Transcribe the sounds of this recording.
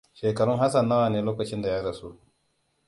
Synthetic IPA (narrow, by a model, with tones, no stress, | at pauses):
ʃeː˨kɐ˨ɽʊ˦ŋɦa˦sɐ˨nːaː˦waː˨neː˦loː˦kɐ˨t͡ʃɪ˦nda˨ja˦dɐ˨su˦ʔ